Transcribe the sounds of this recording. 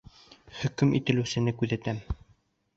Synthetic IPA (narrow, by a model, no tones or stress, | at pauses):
hɵ̆kɵmit̪ɘ̆lɘ̆sɘ̆nɘkʉðæt̪æm